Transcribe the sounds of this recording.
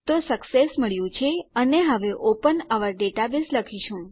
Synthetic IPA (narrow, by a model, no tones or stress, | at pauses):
t̪osəksesməɭjũt͡ʃʰeəneɦəʋeʔopənəʋəɾɖeʈabisləkʰiʃũ